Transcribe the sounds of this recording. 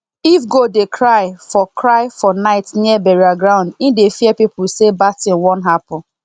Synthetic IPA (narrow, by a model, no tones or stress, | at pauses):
ifɡodekʰɹaɪfɔkʰɹaɪfɔnaɪtniɛbɛɹiaɡɹãʊ̃ndĩdefiɛpipʊsebatĩnwɔ̃nɦapʊ